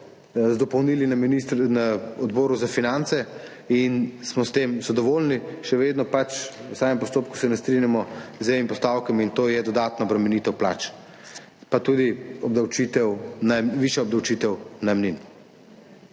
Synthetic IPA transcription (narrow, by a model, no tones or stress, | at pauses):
zd̪ɔpɔwniːlinminist̪naɔd̪bɔːɾuzafinant̪sɛ | insmɔst̪eːmzad̪ɔʋolniʃɛʋeːd̪nɔpat͡ʃusaːmɛmpɔst̪oːp̚ku̥sɛnɛst̪ɾinjamɔzɛimpɔst̪awkɛmint̪oːjɛd̪ɔd̪aːt̪naɔbɾɛmɛniːt̪ɛwpla̰ːt͡ʃ | pat̪ud̪iɔbd̪awt͡ʃit̪ɛwnaʋiʃjaɔb̚d̪awt͡ʃiːt̪ɛwnamnin